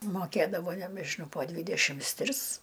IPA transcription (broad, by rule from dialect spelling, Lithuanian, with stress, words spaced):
moːˈkʲeːdɐʋoː nʲɛbʲɛʒʲɪˈnɐʊ poː ˈdʲʋʲiːdʲɛʃʲɪms ˈtʲrʲɪs